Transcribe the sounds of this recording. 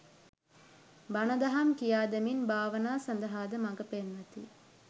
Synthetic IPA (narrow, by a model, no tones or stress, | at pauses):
banɐd̪ɐɦɐmkijaːd̪ɐminbaːʋənaːsɐnd̪ɐɦaːd̪əmɐŋɡəpenʋɐt̪ḭ